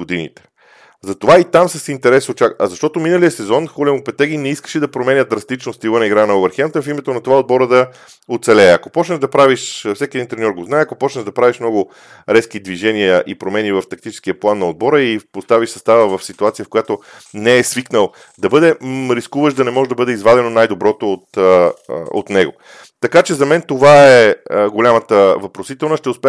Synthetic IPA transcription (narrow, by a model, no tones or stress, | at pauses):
ɡod̪inḭt̪ɛ̥ | zɐt̪ovait̪amsəsint̪ɛɾɛsot͡ʃakɐzɐʃt̪ɔt̪ominəliəsɛzɔnxolɛmopɛt̪ɛɡʲinɛiskə̥ʃɛd̪ɐpɾomɛnʲəd̪d̪ɾɐst̪it͡ʃnost̪ivənɐiɡɾanɐovɛɾxɛmt̪əfimɛt̪onɐt̪ovaod̪̚bɔɾəd̪ɐ | ot̪sɛlɛːɐkopɔt͡ʃnəʒd̪ɐpɾaviʃfsɛkiɛd̪int̪ɾɛnʲɔɾɡoznaɛɐkopɔt͡ʃnəʒd̪ɐpɾaviʃmnɔɡʊ | ɾɛskid̪viʒɛnijəʔipɾomɛnivɐft̪ɐk̚t̪it͡ʃɛ̥skiəplˠanːɐod̪̚bɔɾəipost̪aviʃsɐst̪avəvɐfsit̪uat̪sijəfkojat̪onɛːsviknəlˠ | d̪ɐbɤd̪ɛɾiskuvəʃd̪ɐnɛmɔʒɛd̪ɐbɤd̪ɛizvad̪ɛnonajd̪obɾɔt̪oːt̪ | o̰t̪nɛɡo̰ | t̪ɐkat͡ʃɛzɐmɛnt̪ovaɛəɡolʲamət̪əvɐpɾosit̪ɛlˠnəʃt̪ɛʊspʲ